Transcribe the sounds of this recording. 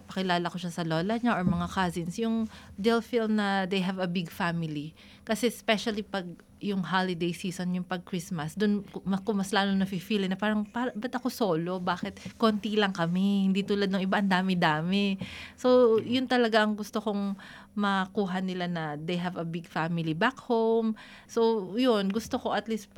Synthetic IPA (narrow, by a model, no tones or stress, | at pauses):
pɐkɪlaːlɐko̞ʃasɐloːlɐɲaʔoɹmɐŋakazinsjʊŋd̪ɛlfilmnɐd̪ejɦɐvɐbɪɡfamɪli | kɐsɛspɛʃɐlipɐɡ̚ | jʊŋɦalɪd̪ejsiːsonjʊŋpɐɡ̚kɹismɐsd̪ʊnkmɐkʊŋmɐslaːnonɐfifiːlɪnɐpaːɾɐŋpabɐt̪ʔɐko̞so̞ːlo̞baːkɛt̪̚kont̪ilɐŋkɐmɛhɪnd̪it̪uːlɐd̪̚nɐŋʔɪbaʔɐnd̪aːmɪd̪aːmɛso̞jʊnt̪ɐlɐɡaʔɐŋɡʊst̪okoŋ | mɐkuːɦɐnɪlanɐd̪ejɦɐvɐbɪɡfamɪlibakhom | sojonɡʊst̪okoʔɐt̪list̪